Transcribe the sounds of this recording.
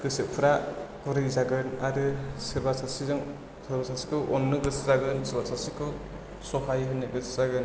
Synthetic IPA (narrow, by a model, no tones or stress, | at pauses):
ɡ̥ɯsɯp̚pʰuɾakɔɾɯjzaɡɯnaɾɯsɯɾbasasizɯŋ | sɯɾbasasi̥kʰɯwʔɔnːɯɡɯszaɡɯnsɯɾbasasikʰɯw | sɔhʰajɦɯnːɯɡɯszaɡɯn